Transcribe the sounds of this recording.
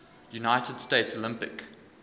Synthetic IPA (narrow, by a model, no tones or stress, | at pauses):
junaɪtʰəd̥steɪtsolɪ̃mpɪ̰k